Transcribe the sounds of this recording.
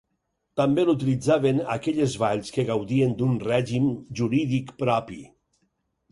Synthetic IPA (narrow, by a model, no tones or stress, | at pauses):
t̪ambelut̪ilid͡zaβenakɛʎezβaʎskeɣawðiend̪unrɛʒimʒuɾiðikpɾɔpḭ